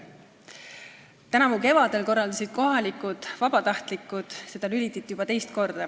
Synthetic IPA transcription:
t̪ænɑmuke̞vɑd̪e̞lko̞rːɑld̪ɑsid̪̥ko̞ɦɑlikud̪̥vɑb̥ɑt̪ɑht̪likːˑud̪̥se̞d̪̥ɑlylit̪ːˑit̪ːˑjub̥ɑt̪e̞jst̪ko̞rd̪̥ɑ

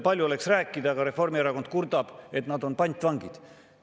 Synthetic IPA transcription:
pɑlʲjuo̞leksræːkːˑid̪̥ɑɡ̥ɑɾe̞fo̞rmieɾɑko̞nd̪̥̚kurd̪ɑb̥e̞t̪nɑd̪o̞npɑnʲt̪vɑŋɡ̥id̪̥

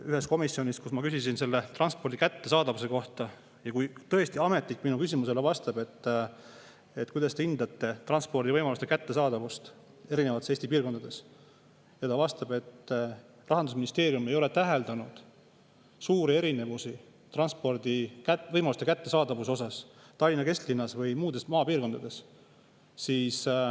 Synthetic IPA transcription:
yɦe̞sko̞misio̞nʲiskusmɑkysisinselːe̞t̪rɑnspo̞rd̪̥ikæt̪ːe̞sɑːd̪̥ɑvuse̞ko̞ht̪ɑ | jɑkujt̪ɤ̞est̪iɑme̞t̪ˑlikːˑminukysimuse̞levɑst̪ɑbe̞t̪ː | e̞t̪ːˑkujd̪ɑst̪e̞ind̪ɑt̪ˑːe̞t̪ɾrɑnspo̞rd̪ivɤjmɑlust̪e̞kæt̪ːe̞sɑːd̪̥ɑvust̪ | e̞ɾine̞vɑt̪seːsʲt̪ipiːrko̞nd̪ɑd̪e̞s | jɑt̪ɑvɑst̪ɑb̥e̞t̪ː | rɑɦɑnd̪us̬minist̪e̞ːɾjumejo̞le̞t̪æɦe̞ld̪ɑnud̪̥ | suːɾie̞ɾine̞vusi | t̪rɑnspo̞rd̪̥ikævɤjmɑlust̪e̞kæt̪ːe̞sɑːd̪ɑvus̬o̞sɑs | t̪ɑlʲːinɑke̞st̪linːɑsvɯjmuːd̪̥e̞smɑːpiːrko̞nd̪ɑd̪̥e̞s | siːs

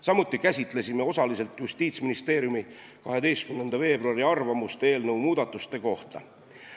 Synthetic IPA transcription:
sɑmut̪ˑːikæsʲit̪ˑle̞sime̞o̞sɑlise̞lt̪just̪iːt̪sminist̪e̞ːɾjumi | kɑɦe̞d̪e̞jst̪kymnend̪ɑve̞ːbruɑɾiɑrvɑmust̪eːlnɤwmuːd̪̥ɑt̪ːˑust̪e̞ko̞ht̪ɑ̰

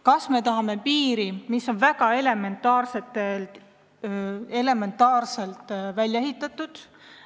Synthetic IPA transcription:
kɑsme̞t̪ɑɦɑme̞piːɾimiso̞nvæɡ̥ɑe̞le̞me̞nt̪ːˑɑːrse̞t̪ːˑelt̪ | e̞le̞me̞nt̪ːˑɑːrse̞lt̪ˑvælʲjɑeɦit̪ːˑɑt̪ːˑud̪̥

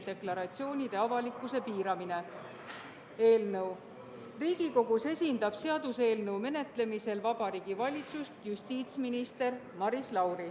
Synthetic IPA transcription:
d̪e̞klɑɾɑt̪sio̞ːnʲid̪̥e̞ɑvɑlikːˑuse̞piːɾɑmine̞ | e̞ːlnɤw | riːɡ̥iko̞ɡ̥use̞sʲind̪ɑb̥se̞ɑd̪̥use̞ːlnəwme̞ne̞t̪ˑle̞mise̞lvɑbɑɾiːɡ̥ivɑlʲit̪sust̪just̪iːt̪sminist̪e̞rmɑɾislɑwɾi

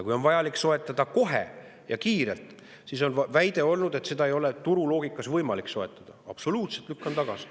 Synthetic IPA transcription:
jɑkujo̞nvɑjɑlikso̞et̪ːˑɑd̪̥ɑko̞ɦḛ | jɑkiːɾe̞lt̪ˑ | siso̞nvæjd̪̥e̞o̞lnud̪e̞t̪se̞d̪ɑe̞jo̞le̞t̪uɾulo̞ːɡikːˑɑsvɤjmɑlikso̞e̞t̪ːˑɑd̪̥ɑɑ̰b̥so̞luːt̪se̞t̪lykːˑɑnt̪ɑɡ̥ɑsi̥

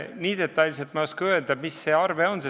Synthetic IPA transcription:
niːd̪̥e̞t̪ːɑjlʲselt̪mɑjoskɑø̞eld̪̥ɑmisːe̞ːɑrveo̞nse

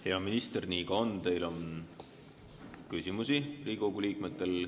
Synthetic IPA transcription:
heɑminist̪erniːkɑo̞nt̪e̞jlo̞n | kysʲimusiriːɡ̥oɡuliːk̚met̪ːˑe̞l

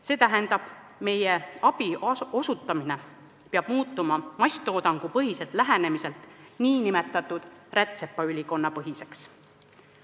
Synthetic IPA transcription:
se̞ːt̪æɦend̪̥ɑb̥ | me̞jeɑb̥io̞sut̪ːˑɑmine̞ | peɑb̥muːt̪ˑːumɑmɑsʲt̪ˑo̞ːd̪ɑŋɡ̥upɤɦise̞lt̪ˑlæɦene̞mise̞lt̪ˑniːnime̞t̪ːˑɑt̪ːˑud̪̥rʔet̪se̞pːɑylʲiko̞nːɑpɤɦise̞ks

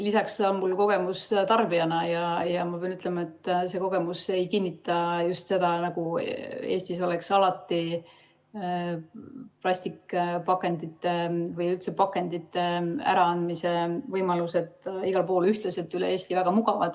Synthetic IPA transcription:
lisɑksonmulko̞ɡ̥e̞must̪ɑrbiɑnɑjɑjɑmɑpeɑnyt̪ːˑlemɑe̞t̪ːse̞ːko̞ɡ̥e̞muse̞jkinʲːit̪ːˑɑjust̪se̞d̪̥ɑnɑɡ̥ueːst̪iso̞leksɑlɑt̪ːi | plɑst̪ikpɑkːˑe̞nd̪it̪ːe̞vɯjylt̪se̞pɑkːe̞nd̪it̪ːe̞æ̰ɾɑɑnd̪mise̞vɤjmɑluse̞t̪iɡ̥ɑlpo̞ːlyht̪lese̞t̪ːˑylee̞ːst̪ivæɡ̥ɑmuɡ̥ɑvɑd̪̥

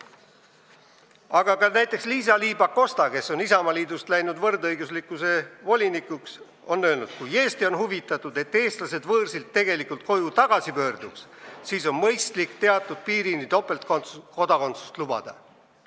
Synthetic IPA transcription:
ɑɡ̥ɑkɑnæjt̪ːˑe̞ksliːs̬ɑliːbɑko̞st̪ɑke̞so̞nisɑmɑliːd̪ust̪læjnud̪vɤrd̪ɤjɡuslikːˑuse̞vo̞lʲinikˑuks | o̞nːøːlnud̪̥kuje̞ːst̪io̞nhuvit̪ːˑɑt̪ːˑud̪̥e̞t̪ːe̞ːst̪lɑse̞d̪vɤːrsilt̪ːe̞ɡ̥e̞likult̪̚ko̞jut̪ɑɡ̥ɑsipø̞ːrd̪̥ukssiːso̞nmɤjst̪likt̪e̞ɑt̪ːˑud̪̥piːɾinit̪o̞pːˑe̞lt̪koko̞d̪ɑko̞nt̪su̥st̪lub̥ɑ̰d̪̥ɑ̰

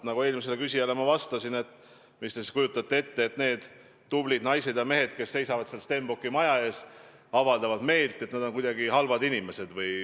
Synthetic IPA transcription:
nɑɡoe̞ːlmis̬e̞lekysʲijɑle̞mɑvɑst̪ɑsine̞t̪ˑː | mist̪esiskujut̪ːˑɑt̪ːˑee̞t̪ːe̞ːt̪ne̞ːd̪̥ː | ublid̪nɑjse̞d̪̥jɑme̞ɦe̞d̪̚ke̞sːe̞jsɑvɑd̪̥selst̪e̞mbokˑːimɑjɑe̞ːs | ɑvɑld̪̥ɑvɑd̪me̞ːlt̪ːˑet̪ned̪o̞nkujd̪ɑɡihɑlvɑd̪inime̞se̞d̪̥vɯj

